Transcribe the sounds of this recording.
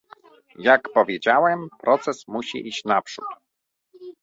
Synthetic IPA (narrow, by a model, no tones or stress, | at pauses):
jakpɔvʲjed͡ʑawɛmpɾʔɔt̪sɛsmuɕḭʔiɕt͡ɕnapʂṵt̪